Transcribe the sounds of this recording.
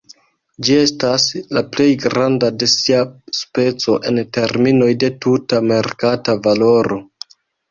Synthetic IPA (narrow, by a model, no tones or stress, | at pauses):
d͡ʒie̞staslaple̞jɡɾandade̞siaspe̞t͡so̞ʔe̞nte̞ɾmino̞jde̞tutame̞ɾkatavalo̞ɾo̞